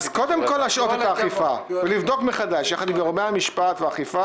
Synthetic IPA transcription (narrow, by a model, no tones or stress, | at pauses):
zko̞d̪e̞mko̞lːaʃʔo̞t̪et̪aːχifavelivd̪o̞kmeχad̪aʃjaχad̪imeʁomeamiʃpat̪veaχifa